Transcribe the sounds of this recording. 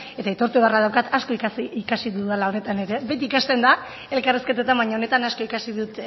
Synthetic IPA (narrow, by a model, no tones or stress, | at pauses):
e̞t̪ait̪o̞ɾt̪uβaraðawkat̪asko̞ikikasiðuðalao̞ne̞t̪ane̞ɾe̞be̞t̪iːkast̪e̞nd̪a | e̞lkariske̞t̪et̪ambajɲaone̞t̪anasko̞ikasiðut̪